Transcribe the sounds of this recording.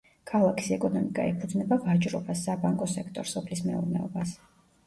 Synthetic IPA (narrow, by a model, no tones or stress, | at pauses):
kʰalˠakʰi̥sɛkʼɔnɔmikʼa̰ɛpʰud̪znɛbavat͡ʃʼɾɔbasːabaŋkʼɔsɛkʰt̪ʼɔɾsɔpʰlismɛuɾnɛɔbas